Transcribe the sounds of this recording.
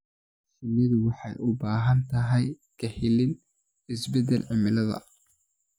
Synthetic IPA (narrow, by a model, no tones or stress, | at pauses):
sɪnɪd̪wɑħɑjʊbaːɦɐnt̪ʰɐɦɛj | kʰɐhɪlɪn | ɪsbɛd̪ɛlʕɪmɪlɐðɐ̰